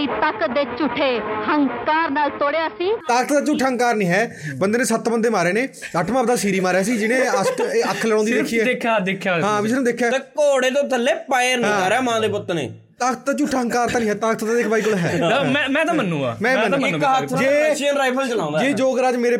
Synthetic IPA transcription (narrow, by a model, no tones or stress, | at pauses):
it̪akəd̪eːt͡ʃʊʈʰːeːhəŋkaːɾnaːlt̪oːɽeaəsĩːt̪aːkt̪d̪aːt͡ʃʊʈʰːaːɦəŋkaːɾnĩːɦɛːbənd̪eːnẽːsət̪bənd̪eːmaːɾeːneːəʈʰmãːpd̪aːsiːɾiːmaːɾaːs̬iːd͡ʒɪnẽːəʈːəkʰləɽõːnd̪iːdekʰiːɛːekʰad̪ekʰːjaːɦãːʋɪt͡ʃnũːd̪eːkʰːjaːt̪əkoːɽeːt̪̬õːt̪əlːeːpaːjəɾnĩːaːɾeaːmãːd̪eːpʊt̪ːnḛː | t̪aːkət̪aːt͡ʃʊʈʰːaːɦəŋkaːɾt̪ãːnĩːɦɛːt̪aːkt̪d̪aːd̪eːkʰbaːikolɦɛ̰ːmɛ̃ːmɛ̃ːt̪ãmənːũːa̰ːmɛ̃ːə̃nːɪ̃kɦat̪ʰd͡ʒeːt͡ʃiənɾaːipʰəlt͡ʃəlãːnd̪d͡ʒeːd͡ʒoːɡɾaːd͡ʒmeːɾeː